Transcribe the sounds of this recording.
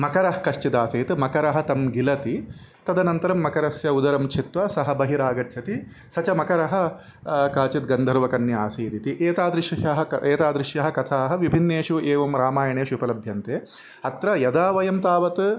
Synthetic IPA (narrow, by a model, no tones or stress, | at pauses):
mɐkɐɾɐɦkɐʃt͡ʃid̪aːseːt̪mɐkɐɾɐɦɐ̆t̪ɐmɡilɐt̪i | t̪ɐd̪ɐnɐnt̪ɐɾɐmːɐkɐɾɐsjɐud̪ɐɾɐmt͡ʃʰit̪ʋɐsɐɦɐbɐɦiɾaːɡɐʈt͡ʃʰɐt̪i | sɐt͡ʃɐmɐkɐɾɐɦɐ̆ | kaːt͡ʃit̪ɡɐnd̪ʱɐɾʋɐkɐnːjɐaːseːd̪it̪iʔeːt̪aːd̪ɾɪʃjɐʃɐɦɐɐʔeːt̪aːd̪ɾɪʃjɐɦɐ̆kɐt̪ʰaːɦɐ̆ʋibʱinːeːʂuʔeːʋɐmɾaːmaːjɐɳeːʃupɐlɐbʱjɐnt̪eː | ɐt̪ɾɐjɐd̪aːʋɐjɐmt̪aːʋɐt̪